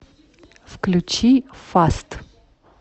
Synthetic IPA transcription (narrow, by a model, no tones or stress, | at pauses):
fklʲʊt͡ɕifast̪